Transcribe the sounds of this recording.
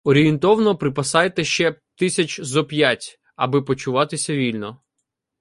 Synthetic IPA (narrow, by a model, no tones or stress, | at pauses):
ɔɾʲijent̪ɔwnɔpɾɪpɐsɑjet̪ɛʃt͡ʃɛ | t̪ɪsʲɐt͡ʃzɔpʲjatʲ | ɐ̰bɪpɔt͡ʃʊʋɑt̪ɪsʲɐʋʲilʲnɔ